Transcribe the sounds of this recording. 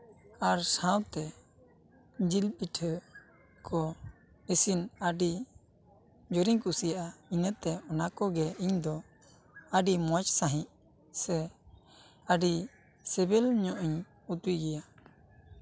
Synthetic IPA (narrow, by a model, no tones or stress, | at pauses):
aɾsãwt̪ɛ | d͡ʒilpiʈʰə | kʰɔ | esinaɖi | d͡ʒoɾiɲkusijaʔainət̪ɛɔnakɔɡɛiɲd̪ɔ | əɖimɔt͡ʃsãɦĩʔ | sɛ | əɖi | sɛbɛlɲɔʔiɲ | ut̪wiɡɛja